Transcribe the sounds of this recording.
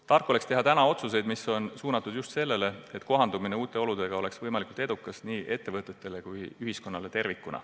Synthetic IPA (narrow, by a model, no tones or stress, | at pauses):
t̪ɑrkːˑole̞kst̪e̞ɦɑt̪ænɑo̞t̪sus̬e̞jd̪miso̞nsuːnɑt̪ːˑud̪̥just̪se̞lːe̞le̞et̪ːˑko̞ɦɑnd̪umine̞uːt̪ːˑe̞o̞lud̪e̞ɡ̥ɑo̞le̞ksvɤjmɑlikult̪e̞d̪̥ukːˑɑsniːʔe̞t̪ːe̞vɤt̪ˑːe̞t̪ːˑe̞lekujyɦisko̞nːɑle̞t̪e̞rvikːˑunɑ̰